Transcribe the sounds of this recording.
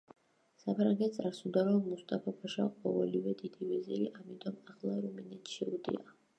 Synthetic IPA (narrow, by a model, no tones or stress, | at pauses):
sapʰɾaŋɡɛt̪̚sʼaɾsud̪aɾɔmːust̪ʼapʰɔpʰɔʃa̰qʼɔvɛlivɛd̪id̪ivɛziliʔamit̪ʼɔmaχlˠaɾuminɛt̪ʰʃiud̪ḭa